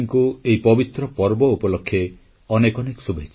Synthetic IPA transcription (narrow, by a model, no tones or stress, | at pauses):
ŋkuejpɔbit̪ɾɔpɔɾbɔupɔlɔkʰːe | ɔnekɔnekɔ̥subʱet͡ʃʰ